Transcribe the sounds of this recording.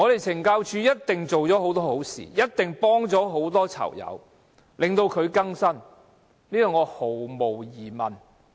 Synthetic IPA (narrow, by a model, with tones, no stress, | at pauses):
ŋɔː˨˧ɾe˨jt͡sʰɪ˨˩ŋkaː˧wt͡ʃʰyː˨˧jɐ˥t̚t̪ɪ˨ŋt͡so˨wt͡sɔː˨˥ho˨˥wt̪ɔː˥ho˨˥wsḭː˨jɐ˥t̚t̪ɪ˨˩ŋpɔː˥ŋt͡sɔː˨˥ɦo˨˥wt̪ɔː˥t͡sʰɐ̰˨˩wjɐ̰˨˧w | lɪ˨ŋt̪o˧wkʰɵ˨˧ɥkɐ˥ŋsɐ˥n | niː˥t̪ɔ˨˧ŋɔː˨˧ho˨˩wmo˨˩wjiː˨˩mɐ˨n